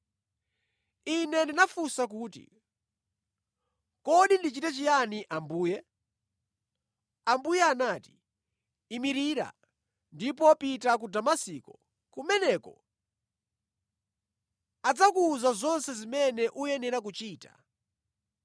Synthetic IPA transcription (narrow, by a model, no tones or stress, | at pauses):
inɛndinafusak̬uːtḭ | kɔɗindit͡ʃitɛt͡ʃijaniʔambuːjɛ | ambujɛanaːti̥ | imiɾiːɾa̰ | ndipɔpitak̬udamasikɔ | kumɛnɛːkɔ̰ | ad͡zakuzazɔnsɛzimɛnɛʔujɛnɛɾak̬ut͡ʃiːtḁ̰